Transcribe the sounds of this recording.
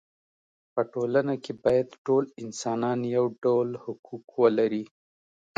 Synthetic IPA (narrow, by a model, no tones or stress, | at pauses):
pəʈolanakebɑjad̪ʈolɪnsɑnɑnjawɖawlhʊkʰukwəlaɾi